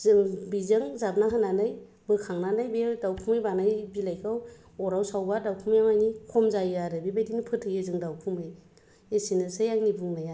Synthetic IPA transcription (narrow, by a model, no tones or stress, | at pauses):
bizɯŋzap̚naɦananɯj | bɯkʰaŋnanajbedawpʰumɯjbanajbilajkʰaw | ɔɾawsawbadawpʰumjaŋajnikʰɔmzajaɾɯbibajdiŋnipʰɯtʰɯjɯzɯŋdawpʰumɯj | esinɯsɯjaŋnibuŋnaja